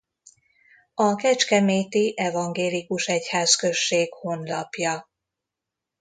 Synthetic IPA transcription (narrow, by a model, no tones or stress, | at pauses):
ɒkɛt͡ʃkɛmeːt̪iʔɛvɒŋɡeːlikuʃɛchaːskø̞ʃːeːɡho̞nlɒpjɒ